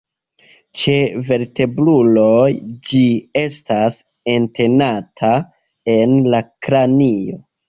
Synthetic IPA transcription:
t͡ʃe̞ve̞ɾte̞bɾulo̞jd͡ʒie̞stas | e̞nte̞natʰa | e̞nlakɾanio̞̰

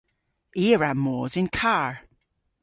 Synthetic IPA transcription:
iːəɹamɔːzɪ̃nkʰaɹ

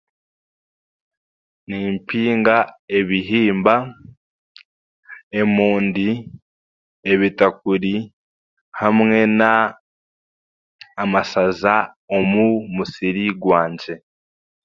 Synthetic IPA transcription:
niːmpiːŋɡae̞βiɦiːmba | e̞muːndi | e̞βitak̚uɾi | hamŋe̞na | masaza | o̞mumusiɾiɡwaːɲɟe̞

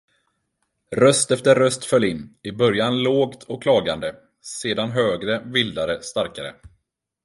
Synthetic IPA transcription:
ɾœst̪ɛft̪əɾːœst̪fœlːɪnːɪbœɾjanloːɡt̪ʰɔkʰːlɑːɡand̪ə | seːd̪anɦøːɡɾəvɪld̪aɾəst̪aɾkaɾə̰

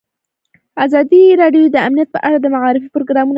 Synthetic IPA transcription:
azɑd̪iɾɑɖjod̪əamnijat̪̚pəʔaɽad̪əmaʕɑɾɪfipɾoɡɾɑmun

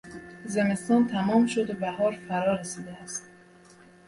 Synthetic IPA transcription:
ze̞me̞st̪ɒːnt̪ʰæmɒːmʃod̪obæhɒːɾfæɾɒːɾesiːd̪eæst̪

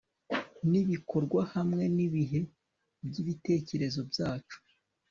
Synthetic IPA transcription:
niβikʰo̞ɾɡwahamŋe̞niβiɦe̞ | bɟiβite̞ːce̞ɾe̞zo̞bjaːt͡ʃu̥

